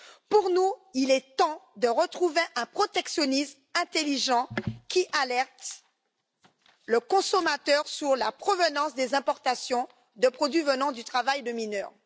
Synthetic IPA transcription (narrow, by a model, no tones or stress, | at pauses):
puʁnuilɛt̪ɑ̃d̪əʁət̪χuveʔɛ̃pχɔt̪ɛksjɔnism | ɛ̃t̪eliʒɑ̃kʲiʔalɛʁt̪ | ləkɔ̃sɔmat̪œʁsyʁlapχɔvənɑ̃sd̪ezɛ̃pɔʁt̪asjɔ̃ | d̪əpχɔd̪ɥivənɑ̃d̪yt̪χavajd̪əminœːʁ